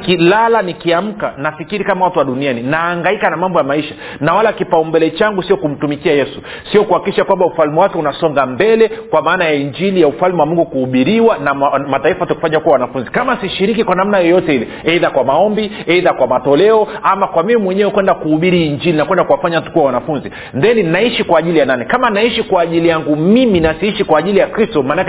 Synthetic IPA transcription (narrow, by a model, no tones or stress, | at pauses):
kilalanikiam̩ka̰nafikiɾikamawatuwaɗunianinaːŋɡaikanamambɔjamaiʃa | nawalakipaumbɛlɛt͡ʃaŋɡusiɔkum̩tumikiajɛsu | siɔkuhakikiʃakwambaufalmiwakɛunasɔŋɡambɛlɛkwamaːnajaiɲd͡ʒilijaufalmwamuŋɡukuhuɓiɾiwanamataifahataku̥faɲakuwawanafunzikamasiʃiɾikikwanam̩najɔjɔtɛhilɛ | ɛiðakwamaɔmbiɛiðakwamatɔlɛɔamakwamimimwɛɲɛwɛkwɛndakuhuɓiɾiːɲd͡ʒilinakwɛndakuwafaɲahatu̥kuwawanafunzi | ndɛninaiʃikwaːʄilijananikamanaiʃikwaːʄilijaŋɡumiminasiiʃikwaːʄilijakɾistɔmanak